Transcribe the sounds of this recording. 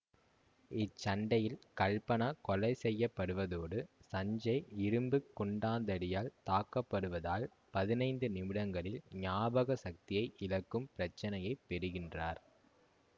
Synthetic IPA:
ɪt͡ʃːɐɳɖɐjɪlkɐɭpɐnɐkɔlɐɪsɛjːɐpːɐɽɯʋɐðoːɽɯsɐɲd͡ʒɐɪɪɾɯmbɯkːɔɳɖaːnd̪ɐɽɪjaːlt̪aːkːɐpːɐɽɯʋɐðaːl | pɐðɪnɐɪnd̪ɯnɪmɪɽɐŋɡɐɭɪlɲaːbɐɣɐsɐk̚t̪ɪjɐɪʔɪlɐkːɯmpɪɾɐt͡ʃːɐnɐjɐɪpːɛɾɯɣɪndraːɾ

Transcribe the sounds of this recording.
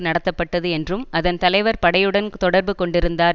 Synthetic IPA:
nɐɽɐt̪ːɐpːɐʈːɐðɯɛndrɯmʔɐðɐnt̪ɐlɐɪʋɐɾpɐɽɐjɯɽɐnt̪ɔɽɐɾbɯkɔɳɖɪɾɯnd̪aː

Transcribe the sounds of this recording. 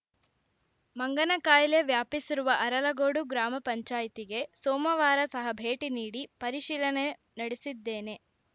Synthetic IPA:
mɐŋɡɐnɐkaːjle̞ʋjaːpisiɾuʋɐʔɐɾɐlɐɡoːɽuɡɾaːmɐpɐɲt͡ʃaːjit̪iɡe̞soːmɐʋaːɾɐsɐɦɐbʱe̞ːʈiniːɽipɐɾiʃiːlɐne | nɐɽesid̪ːe̞ːne̞

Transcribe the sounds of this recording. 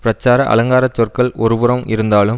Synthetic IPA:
pɾɐt͡ʃːaːɾɐʔɐ̰lɐŋɡaːɾɐt͡ʃːɔrkɐɭɔɾɯʋɯɾɐmɪɾɯnd̪aːlɯm

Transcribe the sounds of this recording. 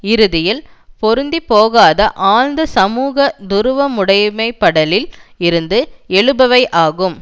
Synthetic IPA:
ɪɾɯðɪjɪlpɔɾɯnd̪ipoːɣaːðɐʔaːnnd̪ɯsɐmuːɣɐd̪ʊɾɯʋɐmʊɽɐjmɐɪpːɐɽɐlɪlɪɾɯnd̪ɯɛɭɯbɐʋɐɪʔaːɣɯm

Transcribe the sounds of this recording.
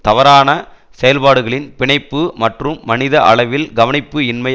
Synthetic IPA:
t̪ɐʋɐɾaːnɐ | sɛjɐlpaːɽɯɣɐɭɪnpɪɳɐɪpːɯmɐʈrɯmːɐnɪðɐʔɐ̰ɭɐɪʋɪlɡɐʋɐnɪpːɯɪnmɐ

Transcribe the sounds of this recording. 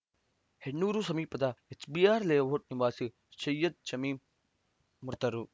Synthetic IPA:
henːuːɾusɐmiːpɐd̪aet͡ʃbiːaːɾleːʋoʈ̚niʋaːsi | ʃɐjɐd̪̚t͡ʃɐmiːmː | ʊɾt̪ɐɾu

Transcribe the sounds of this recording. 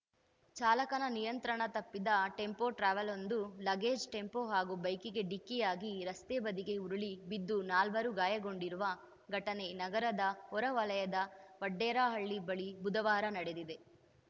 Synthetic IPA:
t͡ʃaːlɐkɐnɐnijɐnt̪ɾɐɳɐt̪ɐpːid̪ɐʈe̞mpoːʈɾaːʋɐlo̞nd̪ulɐɡeːd͡ʒʈe̞mpoːɦaːɡubɐjkiɡe̞ɖikːijaːɡiɾɐst̪eːbɐd̪iɡe̞uɾuɭibid̪ːunaːlʋɐɾuɡaːjɐɡo̞ɳɖiɾuʋɐ | ɡʱɐʈɐne̞nɐɡɐɾɐd̪ɐɦɔɾɐʋɐlɐjɐd̪ɐʋɐɖːɛːɾaːɦɐɭːibɐɭibud̪ɐʋaːɾɐnɐɽe̞d̪id̪e̞

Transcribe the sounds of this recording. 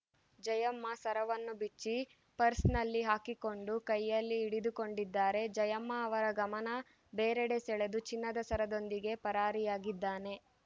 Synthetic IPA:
d͡ʒɐjɐmːɐsɐɾɐʋɐnːubit͡ʃːi | pɐɾsnɐlːiɦaːkiko̞ɳɖukɐjːɐlːiːɽid̪uko̞ɳɖid̪ːaːɾe̞d͡ʒɐjɐmːɐːʋɐɾɐɡɐmɐnɐ | beːɾeɽesɛɭe̞d̪ut͡ʃinːɐd̪ɐsɐɾɐd̪o̞nd̪iɡe̞pɐɾaːɾijaːɡid̪ːaːne̞

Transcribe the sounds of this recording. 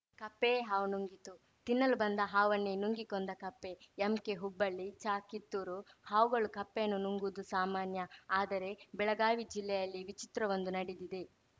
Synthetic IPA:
kɐpːeɦaːʋunuŋɡit̪u | t̪inːɐlubɐnd̪ɐɦaːʋɐnːenuŋɡikond̪ɐkɐpːe̞ɐmkeɦubːɐɭːit͡ʃaːkit̪ːuɾuhaːʋuɡɐɭukɐpːenːunuŋɡud̪usaːmaːnjɐaːd̪ɐɾe̞bɛɭɐɡaːʋid͡ʒilːɛjɐlːiʋit͡ʃit̪ɾɐʋond̪unɐɽid̪id̪e̞

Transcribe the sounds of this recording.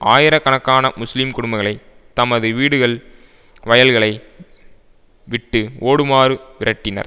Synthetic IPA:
ʔaːjɪɾɐkːɐɳɐkːaːnɐmʊslimkʊɽʊmbɐɪɣɐɭɐɪ | t̪ɐmɐðɯʋiːɽɯɣɐɭ | ʋɐjɐlɣɐɭɐɪ | ʋɪʈːɯoːɽɯmaːɾɯʋɪɾɐʈːɪnɐ̰ɾ

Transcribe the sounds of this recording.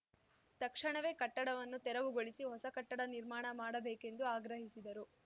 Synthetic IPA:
t̪ɐkʂɐɳɐʋe̞ːkɐʈːɐɽɐʋɐnːut̪ɛɾɐʋuɡoɭisiɦɔsɐkɐʈːɐɽɐniɾmaːɳɐmaːɽɐbeːke̞nd̪uaːɡɾɐɦisid̪ɐɾu

